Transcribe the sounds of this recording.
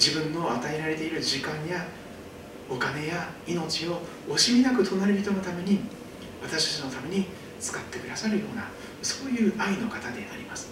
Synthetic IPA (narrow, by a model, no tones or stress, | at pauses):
d͡ʑibɯ̟̃nːo̞at̪aeɾaɾe̞t̪e̞iɾɯ̟ʑikãɰ̃ja | o̞kane̞jaino̞t͡ɕio̞ | oɕiinakɯ̟t̪ʰo̞naɾeɯ̟bʲi̥t̪ono̞t̪ame̞ɲ̟i | βat̪aɕi̥t̪ḁt͡ɕino̞t̪ame̞ɲ̟i | t͡sɨ̥kat̪ːe̞kɯ̟d̪asaɾɯ̟jo̞ːna̰ | so̞ːjɯ̟ːʔaino̞kat̪ad̪e̞a̰ɾʲimasɨ̥